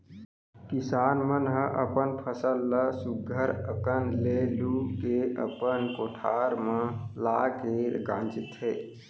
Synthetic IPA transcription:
kisaːnmənɦə̃ʔəpənpʰəsəlːəsuɡʱəɾəkənlelukeə̰pənkoʈʰaɾmə̃lakeɡã̰ːnt͡ʃit̪ɦeː

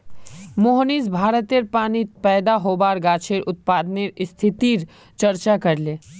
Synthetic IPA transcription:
moɦnisbʱaːɾət̪eɾpaːnipɛːd̪aɦoːbaːɾɡaːt͡ʃʰeɾʔʊt̪̚paːd̪neɾɪst̪ʰɪt̪iɾ | t͡ʃɐɾt͡ʃakɐɾleː

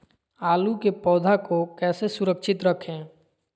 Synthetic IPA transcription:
aːlukepɔːd̪ʱakokɛːsesʊɾəkʃɪt̪ɾəkʰẽː

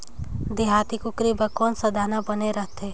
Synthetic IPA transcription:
d̪eɦaːt̪ikʊkɾibəkɔːnsəd̪ʱaːnabəneɾəɦt̪eː

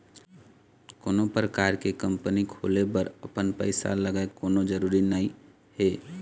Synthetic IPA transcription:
koːnõpɾəkaːɾkekə̃mpənikʰo̰ːlebəɾɐpənpə̰ɪsa̰ləɡaekoːnod͡ʒəɾuːɾinəɦĩ | heː

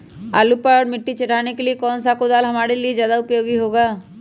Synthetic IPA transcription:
a̰ːlupəɾmɪʈːit͡ʃɐʈaːnekeliekɔːnsakod̪aːlɦɐmaːɽelied͡ʒjaːd̪aʊpjoːɡiɦoːɡaː

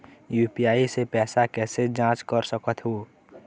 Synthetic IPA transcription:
juːpijaːisepɛːsakɛːsed͡ʒãːt͡ʃkəɾsəkət̪ɦoː

